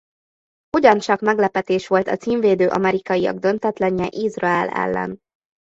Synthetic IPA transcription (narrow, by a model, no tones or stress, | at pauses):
huɟɒnt͡ʃɒkmɛɡlɛpɛt̪eːʃʋo̞lt̪ɒt̪siːɱveːd̪øːʔɒ̰mɛɾikɒjiɒ̰ɡd̪ø̞nt̪ɛt̪lɛɲːɛʔizrɒɛlɛ̰lːɛ̰n